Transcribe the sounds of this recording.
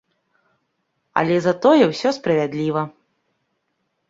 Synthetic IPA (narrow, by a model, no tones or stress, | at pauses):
ɐ̰lʲɛzɐt̪ɔjɛwsʲɔspɾɐvʲad̪lʲivɐ